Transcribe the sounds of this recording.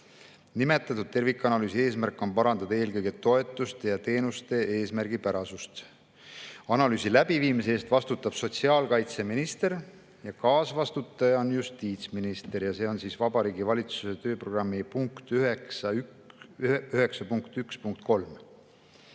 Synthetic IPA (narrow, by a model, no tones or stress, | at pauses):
nime̞t̪ːˑɑt̪ːˑud̪̚t̪e̞rvikːˑɑnɑlyːsie̞ːsmærkːˑo̞npɑɾɑnd̪̥ɑd̪̥ɑe̞ːlkɤjɡ̥et̪ːo̞e̞t̪ːˑust̪ejɑt̪e̞ːnust̪e̞e̞ːsmærɡ̥ipæɾɑsust̪ | ɑnɑlyːsilæb̥iviːmiseeːst̪vɑst̪ut̪ːˑɑb̥so̞t̪siɑːlkɑjt̪se̞minist̪e̞ɾ | jɑkɑːsvɑst̪ut̪ːˑɑjɑonjust̪iːt̪sminist̪e̞ɾjɑse̞ːo̞nsiːsvɑbɑɾiːɡivɑlʲit̪su̥se̞t̪ø̞ːpro̞ɡ̥rɑmːipuŋkt̪yɦesɑy | yɦe̞ksɑpuŋkt̪ykspuŋkt̪̚ko̞lm